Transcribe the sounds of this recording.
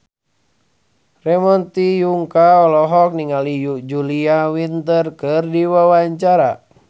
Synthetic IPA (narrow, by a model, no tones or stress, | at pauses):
rɛmɔnt̪ijuŋkaɔlɔɦɔk̚niŋalijud͡ʒuliawint̪ərkɨrdiwawaɲt͡ʃaɾa